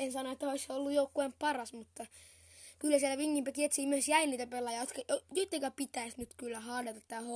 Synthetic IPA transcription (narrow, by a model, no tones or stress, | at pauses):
ensɑnoet̪ːæoisseolːujoukːuempɑrɑsmut̪ːɑ | kylːæsielːæʋiŋːimpæk̪iet̪siːmyøsjæiniːt̪æpelːɑjɑot̪kɑojot̪ːekæpit̪æisnyt̪kylːæhɑːdet̪ɑt̪t̪æːho